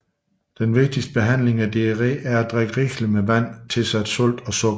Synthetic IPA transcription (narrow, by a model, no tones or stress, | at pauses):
d̥enʋe̝ɡ̥̚d̥isd̥əb̥e̝ɦæn̰le̝ŋæd̥eʁḭːæɐæd̥ʁeɡ̥əʁiɡ̥limeʋæn̰t͡sʰe̝sæd̥sɔ̽l̰d̥ɒ̽sɔɡ